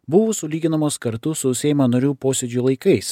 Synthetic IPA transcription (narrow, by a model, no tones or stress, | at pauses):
bʊʋʊsʊlʲiːɡʲɪnɐmoːskɐɾt̪ʊsʊʊsʲɛːjmɐnɐɾʲuːpoːsʲɛd͡ʒʲʊlˠɐɪkɐɪs